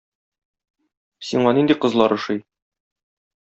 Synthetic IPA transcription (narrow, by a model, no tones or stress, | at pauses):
siɴɑnind̪iqɤ̆zlˠɑɾɤ̆ʃɤj